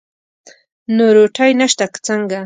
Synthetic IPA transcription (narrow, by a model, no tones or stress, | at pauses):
noɾoʈʰajnaʃt̪akt͡saŋɡa